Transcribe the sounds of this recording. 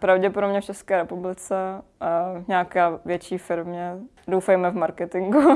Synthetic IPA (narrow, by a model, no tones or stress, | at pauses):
pɾavɟɛpodobɲɛft͡ʃɛskɛːɾɛpublɪt͡sɛ | ɲaːkaːvjɛt͡ʃiːfɪɾmɲɛ | dowfɛjmɛvmaɾkɛt̪ɪŋɡu